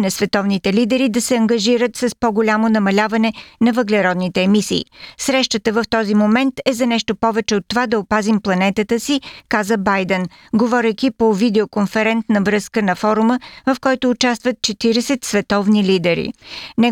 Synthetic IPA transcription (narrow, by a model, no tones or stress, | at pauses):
nɐsvɛt̪ɔvnit̪ɛlid̪ɛɾid̪ɐsɛɐŋɡɐʒiɾət̪sɐspoɡolʲamonɐmɐlʲavɐnɛnɐvəɡlɛɾɔd̪nit̪ɛːmisḭːsɾɛʃt̪ət̪əvəft̪ɔzimomɛnt̪ɛzɐnɛʃt̪opɔvɛt͡ʃɛot̪ːovad̪ɐopazimplˠɐnɛt̪ət̪əsikazəbajd̪ɛn | ɡovɔɾɛjk̟ʲipovid̪ɛokonfɛɾɛnt̪nɐvɾɤskənɐfɔɾuməvɐfkɔjt̪ʊːt͡ʃast̪vət̪̚t͡ʃɛt̪iɾɛsɛt̪svɛt̪ɔvnilid̪ɛɾḭnɛ